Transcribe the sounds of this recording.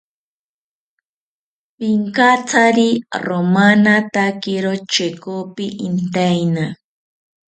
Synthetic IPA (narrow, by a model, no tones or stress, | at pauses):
pɪŋkat͡saɾiromanat̪akɪɾot͡ʃekopɪʔɪnt̪ajna